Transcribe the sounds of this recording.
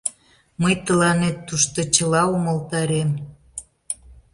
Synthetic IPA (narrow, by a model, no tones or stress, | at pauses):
məjt̪əlɑnet̪ːuʃt̪ot͡ɕəlɑuməlt̪ɑɾem